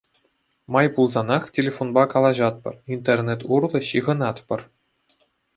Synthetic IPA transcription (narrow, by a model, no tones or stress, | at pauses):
mɑjpulˠzɑnɑχtʲelʲefonbɑkɑlˠɑʑɑt̪̚pɤ̰̆rint̪erʲnʲet̪urlˠɤ̆ɕiʁɤ̆nɑt̪pɤ̆r